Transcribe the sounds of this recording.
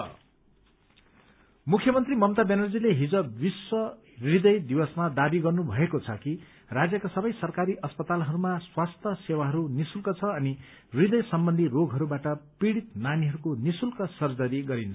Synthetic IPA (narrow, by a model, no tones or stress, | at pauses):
mukʰjʌmʌnt̪rimʌmt̪abenʌrd͡zileɦid͡zʌbiswʌ | rid̪ʌjd̪iwʌsmad̪abiɡʌrnubʱʌekot͡sʰʌki | rad͡zjʌkasʌbʌjsʌrkaɾiʔʌspʌt̪alɦʌɾumaswast̪ʰʌsewaɦʌɾunisulkʌt͡sʰʌʌni | rid̪ʌjsʌmbʌnd̪ʱiroɡʱɦʌɾubaʈʌpiɽit̪̚naniɦʌɾukonisulkʌsʌrd͡zʌɾiɡʌɾint͡sʰʌ